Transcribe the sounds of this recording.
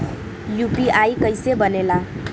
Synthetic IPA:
jupiajkʌjsebʌnela

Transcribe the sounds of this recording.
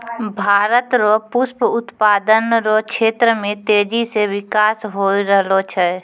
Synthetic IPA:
bʱaːɾət̪ɾopʊspʊt̪paːd̪ənɾokʃʰeːt̪ɾəmẽt̪eːd͡ʒisewɪkaːsɦoːiɾəɦlot͡ʃʰɛ

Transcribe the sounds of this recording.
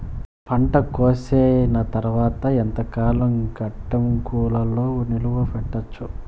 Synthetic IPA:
pʰɐɳʈɐkoːseːnɐt̪ɐɾʋaːt̪ɐent̪ɐkaːlɐŋɡɐʈːɐmkuːlɐlo̞ːniluʋɐpɛʈːɐt͡ʃːu

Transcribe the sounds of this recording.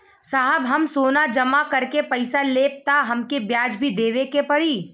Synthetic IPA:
saːɦəbɦɐmsoːnad͡ʒɐmakɐɾkepɐɪsaleːp̚t̪aɦɐmkebjaːd͡ʒbʱid̪eːʋekepɐɽiː

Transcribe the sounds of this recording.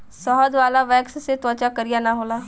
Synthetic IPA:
sɔɦɔd̪ʋaːlaʋɛːksset̪ɔːt͡ʃakɐɾijanaɦoːlaː

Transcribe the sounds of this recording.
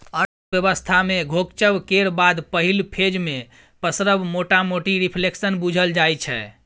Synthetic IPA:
ə | bjəbəst̪ʰameɡʱokt͡ʃəbkeɾbad̪pəɦilpʰed͡ʒme | pəsɾəbmoʈamoʈiɾipʰleksənbud͡ʒʱəld͡ʒajt͡ʃʰɛ̰

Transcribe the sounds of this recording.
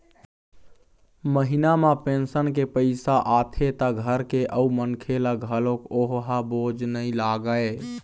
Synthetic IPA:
məɦinamapensənkepəɪsaʔat̪ʰet̪əɡʱəɾkeʔəumənkʰelaɡʱəlokoɦɦabod͡ʒnəilaɡəe

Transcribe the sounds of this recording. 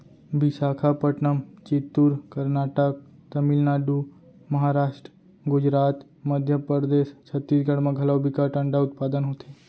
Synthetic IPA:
bɪsaːkʰapəʈnəmt͡ʃɪt̪ːʊɾkəɾnaːʈək̚ | t̪əmilnaːɖu | mɐɦaːɾaːʃʈɾə | ɡʊd͡ʒɾaːt̪ | məd̪ʱjəpəɾd̪eːst͡ʃʰət̪ːiːd͡ʒɡəɽmãɡʱɐlabʱikaʈə̃ɳɖaʊt̪̚paːd̪ənɦoːt̪eː

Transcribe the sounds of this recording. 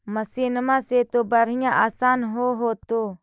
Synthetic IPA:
məsiːnəmãːseːt̪oːbəɾ̤ɪjãːʔaːsaːnɦoːɦoːt̪oː

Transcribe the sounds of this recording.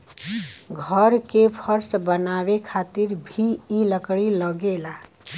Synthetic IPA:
ɡʱəɾkepʰəɾsbənaβekʰat̪iɾbʱiːləkɽiləɡela

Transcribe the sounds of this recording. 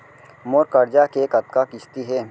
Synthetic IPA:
moːɾkəɾd͡ʒakeːkɐt̪kakɪst̪iɦɛ

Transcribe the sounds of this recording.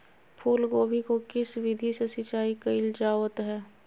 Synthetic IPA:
pʰuːlɡoːbʱikokɪsʋɪd̪ʱisesɪt͡ʃaːikɐɪld͡ʒaːʋət̪ɦɛː

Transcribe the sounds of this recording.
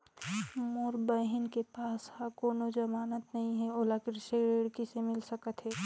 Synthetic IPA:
moɾbəɦɪnkepaːshãkoːnod͡ʒɐmaːnət̪nɐɦĩɦɛoːlakɾɪʃəɾeɽkisemɪlsəkət̪ɦɛː

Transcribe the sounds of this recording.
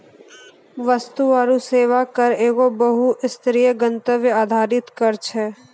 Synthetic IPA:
ʋəst̪uʋaːɾuseːʋakɐɾeːɡobəɦuʔɪst̪ɾijəɡə̃nt̪əʋjəaːd̪ʱaːɾɪt̪kɐɾt͡ʃʰɛː

